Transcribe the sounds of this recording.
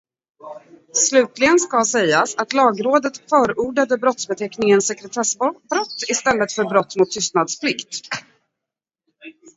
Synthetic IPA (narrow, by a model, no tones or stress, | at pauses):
slʉ̟ːt̪lɪɡənskasɛjːasat̪lɑːɡɾoːd̪ət̪fœːɾuːɖad̪əbɾɔt̪sbɛt̪ʰɛknɪŋənsɛkɾɛt̪ʰɛsbbɾɔt̪ːɪst̪ɛlːət̪fœɾbɾɔt̪ːmʊt̪ʰːʏst̪nad̪spʰlɪkt̪